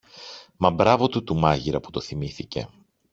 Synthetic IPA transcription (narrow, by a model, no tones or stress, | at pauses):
mɐbɾɐvo̞t̪ut̪umɐʝiɾɐpu̥t̪o̞θimiθice̞̰